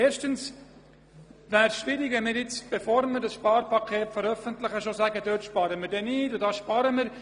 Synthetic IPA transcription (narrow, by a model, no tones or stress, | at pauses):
eːɾʃtəns | væːɾsʃʋɪɾikvɛnmɪːɾjɪt͡sb̥efoːɾməɾdɑsʃpɑːɾpɑkʰeːtfəɾœfəntləχəʃosæɡədøːtʃpɑɾəmɪːɾdɛniːdʊdɑːʃpɑɾəmɪɾ